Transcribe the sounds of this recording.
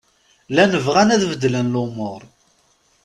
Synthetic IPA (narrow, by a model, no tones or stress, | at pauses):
lænəvʁænæðvəd̪ːlənlʊmoʊɾˤ